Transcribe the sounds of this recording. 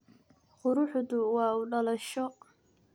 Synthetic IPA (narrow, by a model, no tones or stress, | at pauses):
qʊɾʊħd̪ʊwɑːuːɖɐlɐʃɔ